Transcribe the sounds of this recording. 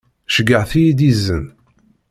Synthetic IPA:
ʃəɡəʕθijid̪izːən

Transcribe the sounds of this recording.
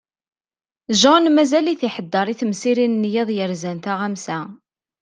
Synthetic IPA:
ʒɑnmæzæliθiħəd̪ːɑɾˤiθəmsiɾinnːjɪðˤjəɾzænt̪aʁæmsæ

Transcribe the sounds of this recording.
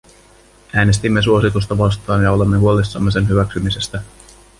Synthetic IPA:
æːne̞st̪imːe̞suo̞sit̪us̬t̪ɑʋɑst̪ɑːnjɑo̞le̞mːe̞ɦuo̞lisːɑmːe̞s̬e̞nɦyʋæksymise̞st̪æ

